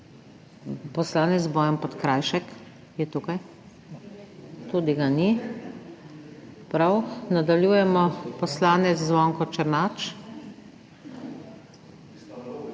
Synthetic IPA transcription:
pɔslaːnɛzbɔjɛmpɔt̪kɾajʃɛk | jɛt̪ukaj | t̪ud̪iɡani | pɾawnad̪aljuːjɛmɔpɔslaːnɛt̪szʋɔŋkɔt͡ʃɛɾnat͡ʃ

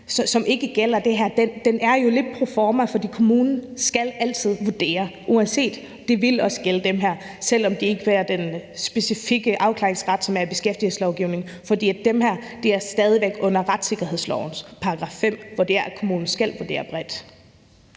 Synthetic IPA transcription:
sɒsɒ̽me̝ɡ̥əɡ̥el̰ɐd̥e̝ɦæɐ̰d̥end̥enæɐjo̝le̝d̥̚pʰʁo̝fɒːmæfɒ̽d̥ḭːkʰo̝muːnn̩sɡ̥ælæl̰t͡sʰið̞̰ˠʋuɐd̥e̝̰ːɐʔuænse̝̰ːd̥ | d̥e̝ʋe̝lɒ̽sə̥ɡ̥eləd̥emɦæɐ̰ | sel̰ɒ̽md̥e̝e̝ɡ̥əʋæːɐd̥ensb̥e̝sifiɡ̥əʔɑ̈ʊkʰlḛːeŋsʁɑ̈d̥sɒ̽mæɐb̥e̝sɡ̥efd̥il̩slɒʊɡ̥iʊne̝ŋ | fɒ̽d̥ḭːæd̥emhæɐd̥e̝æɐsd̥ɛːð̞ˠiʋeɡ̥ɔ̽n̰ɐʁad̥se̝ɡ̥ɐɦe̝ð̰ˠslɒʊn̩spʰɑ̈ɑɡ̥ʁɑ̈fːem̰ʋɒɐd̥e̝̰ːɐ̰kʰo̝muːnn̩sɡ̥æl̰ʋuɐd̥e̝̰ːɐb̥ʁɛd̥

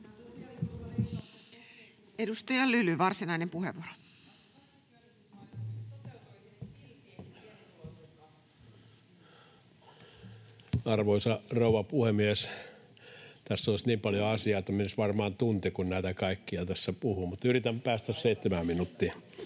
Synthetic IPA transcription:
edust̪ɑjɑlylyʋɑrsinɑinempuheʋuoɾo | ɑrʋoisɑrouwɑpuhemies | t̪æsːolisniːmpɑljoɑsiɑːt̪ɑminsʋɑrmɑːnt̪unt̪ekunnæˑit̪ækɑikːiɑt̪æsːæpuhumut̪yrit̪æmpæːst̪æsseit̪ːemæmminut̪ːi

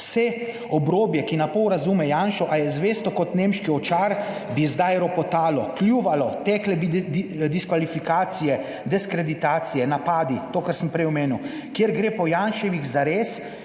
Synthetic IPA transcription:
sɛ | ɔbɾoːbjɛkinapɔwɾazuːmɛjanʃɔʔajɛzʋeːst̪ɔkɔt̪nemʃkiɔt͡ʃaɾ | bizd̪ajɾɔpɔt̪aːlɔklʲjuʋalɔt̪ɛːklɛbid̪iskʋalifikaːt̪sijɛ | d̪ɛskɾɛd̪it̪aːt̪sijɛnapaːd̪it̪oːkaɾsəmpɾɛjɔmeːniw | kjeɾɡɾeːpɔjanʃɛʋiɣzaɾeːs

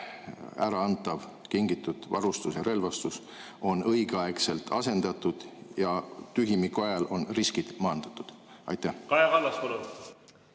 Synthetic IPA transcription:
æ̰ɾɑɑnt̪ːˑɑv | kiŋɡit̪ːˑut̪vɑ̰ɾust̪usjɑɾe̞lvɑst̪us | o̞nɤjɡ̥eɑekse̞lt̪ʰɑse̞nd̪̥ɑt̪ːˑud̪̥jɑt̪yɦimikuɑjɑlo̞nriskid̪̥mɑːnd̪̥ɑt̪ːˑud̪̥ɑ̰jt̪ːˑæhkɑjevɑlːɑspolu

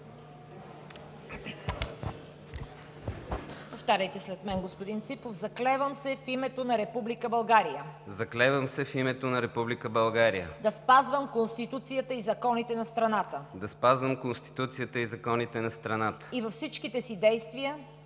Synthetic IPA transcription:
poft̪aɾʲəjt̪ɛslɛt̪mɛnɡospod̪int̪sipofzɐklɛvəmsɛfimɛt̪onɐɾɛpublikəbɐlˠɡaɾijəzɐklɛvəmsɛfimɛt̪onɐɾɛpublikəbɐlˠɡaɾijə̰d̪ɐspazvəmkonst̪it̪ut̪sijət̪əizɐkɔnit̪ɛnɐst̪ɾɐnat̪əd̪ɐspazvəmkonst̪i̥t̪ut̪sijət̪əizɐkɔnit̪ɛnɐst̪ɾɐnat̪ə̥ivɐfsit͡ʃkit̪ɛsid̪ɛjst̪vijə

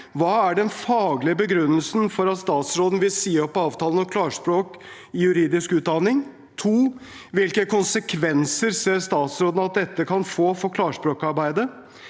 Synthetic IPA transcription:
ʋɑːæɖɛnfɑːɡlɪəbəɡɾʉnːəlsn̩fɔɾɑt̪st̪ɑːt̪sɾoːd̪n̩ʋɪlsiːɔpːɑːʋt̪ʰɑːlənɔkʰlɑːʂpɾoːk | ɪjʉɾiːd̪ɪskʉːt̪̚d̪ɑnɪŋ | t̪ʰuː | ʋɪlkəkʰʊnsəkʰʋɛnsəɾseːɾst̪ɑːt̪sɾoːd̪n̩ɑt̪̚d̪ɛt̪ːəkʰɑnfoːfɔkʰlɑːʂpɾoːkɑɾbæɪd̪ə

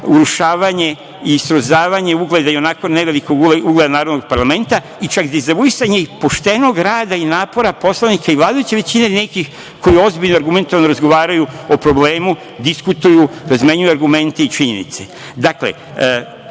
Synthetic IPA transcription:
uɾuʃaːʋaɲe̞ | isɾozaːʋaɲe̞uɡle̞d̪aio̞naːko̞ne̞ʋe̞liko̞ɡeuɡle̞d̪anaːɾod̪noɡ̥̚paɾlˠame̞nt̪a | it͡ʃakd̪izauisaɲeipo̞ʃt̪e̞no̞ɡɾaːd̪ainaːpo̞ɾapo̞slˠanikaiʋlˠaːd̪ajut͡ɕe̞ʋe̞t͡ɕine̞ne̞kix | ko̞jio̞zbiʎnoaɾɡume̞nt̪oʋanoɾazɡo̞ʋaːɾajuo̞pɾo̞ble̞ːmu | d̪iskut̪ujuɾazmeɲujuaɾɡume̞nt̪e̞it͡ʃiɲḛnḭt̪se̞ | d̪aklḛ

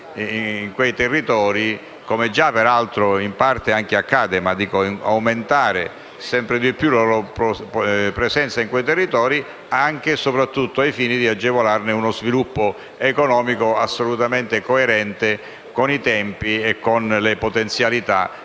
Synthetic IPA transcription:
iŋkwejt̪ɛrːit̪ɔːɾi | komed͡ʒapeɾalt̪ɾoimpart̪eaŋk̟eakːaːd̪emad̪iːkoa̰wment̪aːɾe | sɛmpɾed̪ipːjuloɾopopɾesɛnt̪saiŋkwejt̪erːit̪ɔːɾi | aŋk̟esopɾat̪ːut̪ːoajfiːnid̪iad͡ʒːevolarnɪunozvilupːo | ekonɔːmikoasːolut̪ament̪ekoeɾɛnt̪e | konit̪ɛmpiekːonlepot̪ent̪sjalit̪a

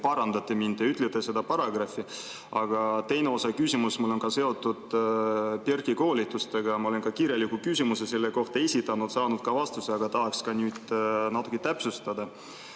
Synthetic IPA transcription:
pɑɾɑnd̪̥ɑt̪ːˑemind̪̥eyt̪ːˑlet̪ːˑese̞d̪ɑpɑɾɑɡ̥rɑfːi | ʔɑɡ̥ɑt̪e̞jneo̞sɑkysʲimusmule̞nkɑse̞o̞t̪ːˑud̪̥ | perkiko̞ːlit̪ːˑust̪e̞ɡ̥ɑmɑo̞lenkɑkiːɾje̞lːikukysʲimusese̞lːeko̞ht̪ɑesʲit̪ːˑɑnud̪̥sɑːnud̪̥̚kɑvɑst̪useɑɡ̥ɑt̪ɑɦɑkskɑnyːd̪̥nɑt̪ːˑu̥kːˑit̪æpsust̪ɑd̪̥ɑ

